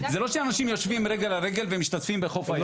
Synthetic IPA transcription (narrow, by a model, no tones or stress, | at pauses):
zelo̞ʃeanaʃimjo̞ʃvimʁeɡelaʁeɡe̞lvemiʃt̪atfimbeχo̞faj